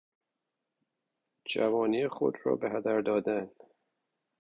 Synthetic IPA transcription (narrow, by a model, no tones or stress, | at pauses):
d͡ʒævɒːniːexo̰d̪ɾɒ̰ːbehæd̪æɾd̪ɒːd̪æn